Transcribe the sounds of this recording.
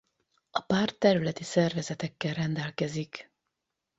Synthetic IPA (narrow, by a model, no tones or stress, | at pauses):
ɒpaːrt̪ːɛɾylɛt̪isɛrvɛzɛt̪ɛkːɛlrɛnd̪ɛlkɛzik